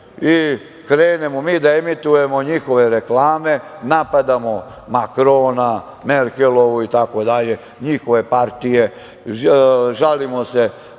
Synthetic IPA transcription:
i | kɾeːne̞momiːd̪aemit̪uje̞mo̞ɲixo̞ʋe̞ɾeklaːme̞napad̪amo̞ | makɾoːna | meɾkelo̞ʋuit̪ako̞d̪aʎe̞ | ɲixo̞ʋe̞paɾt̪ije̞ | ʒalimo̞se̞

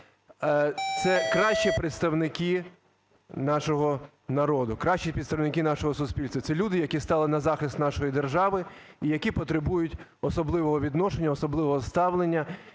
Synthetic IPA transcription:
t̪sɛkɾɑʃʲt͡ʃipɾɪt̪st̪ɐwnɪki | nɑʃɔɦɔ | nɐɾɔd̪ʊkɾɑʃt͡ʃipʲit̪st̪ɐwnɪkinɑʃɔɦɔsʊsʲpʲilʲst̪ʋɐt̪ɛlʲud̪ɪjɐkʲist̪ɑlˠɪnɐzɑxɪst̪nɑʃɔjid̪erʒɑʋɪ | ijɐkʲipɔt̪ɾebujʊtʲ | ɔsɔblˠɪʋɔɦɔʋʲid̪nɔʃenʲːɐɔsɔblˠɪʋɔɦɔst̪ɑʋlˠenʲːɐ

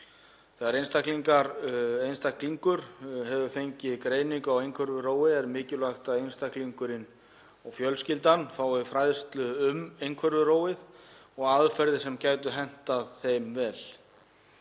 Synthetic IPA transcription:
θɛɣaɾejnst̪akliŋkaɾejnst̪akliŋkʏɾ̥ɦɛvʏfejɲcɪkɾeːjniŋkawejŋkʰvɛɾvʏɾoːwɪɛɾmɪːcɪlvaxt̪aðejnst̪akliŋkʏɾɪn | ɔwfjœlscɪlt̪anfaːwɪfɾajðst̪lʏʏmejŋkʰvɛɾvʏɾoːwɪðɔɣaðfɛɾðɪsɛmcaːjt̪ʏɦɛn̥t̪aðθejmvɛːl̥

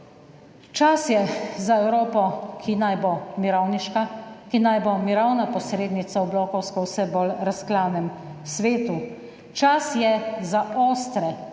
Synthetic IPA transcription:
t͡ʃasjɛzaɛwɾoːpɔkʰinajbomiɾawniʃkakinajbomiɾawnapɔsɾeːd̪nit̪sawblɔːkɔwskɔwsɛbolɾasklaːwnɛmsʋeːt̪u | t͡ʃasjɛzaoːst̪ɾɛ

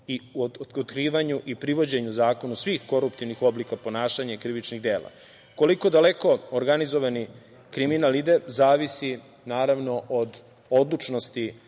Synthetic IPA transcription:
iuot̪kɾiːʋaɲuʔipɾiʋo̞d͡ʑe̞ɲuzaːko̞nusʋiːxko̞ɾupt̪iʋnixo̞blikapo̞naːʃaɲakɾiʋit͡ʃniɣd̪e̞ːlˠa̰ | ko̞liko̞d̪ale̞ko̞oɾɡanizo̞ʋani | kɾiminalid̪ezaːʋisi | naːɾaʋno̞ʔod̪ | o̞d̪lˠut͡ʃnost̪i

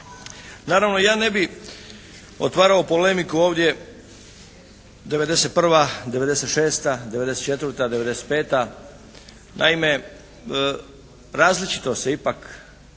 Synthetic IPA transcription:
naːɾaʋno̞jaːne̞bi | o̰t̪ʋaːɾaopole̞mikuo̞ːʋd̪je̞ | d̪e̞ʋe̞d̪e̞set̪̚pr̩ʋad̪e̞ʋe̞d̪eset̪ʃeːst̪ad̪e̞ʋe̞d̪eset̪t͡ʃe̞t̪ʋɾrt̪ad̪eʋe̞d̪e̞set̪̚pe̞ːt̪a | nʔa̰ime̞ | ɾaːzlit͡ʃi̥t̪ose̞ipak

